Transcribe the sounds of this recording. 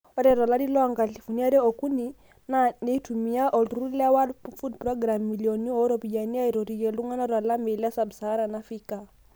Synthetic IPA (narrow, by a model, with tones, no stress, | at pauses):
ɔ˦ɾɛ˨ɾwa˨la˦di˦lɔ˦aŋɡa˨ɬi˨fu˨ni˦a˦ɾɛ˦ɔ˨ku˦ni˨ | nane˨˦tumi˨a˦ʔɔ˨luɾu˦la˦wa˦fu˦dprɔɡɾamːi˨liɔ˨ni˦ɔ˦ɾɔ˨pi˨d͡ʒa˨ni˦a˦i˨ɾɔ˨ɾi˨jɛ˨lu˦ŋa˦na˦ɾwa˨la˦me˨la˦sabsa˨a˦ɾa˨nafi˦ka